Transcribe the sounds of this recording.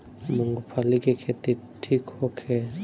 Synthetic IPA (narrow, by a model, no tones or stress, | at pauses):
muŋɡopʰalikekʰet̪i | ʈʰikhokʰe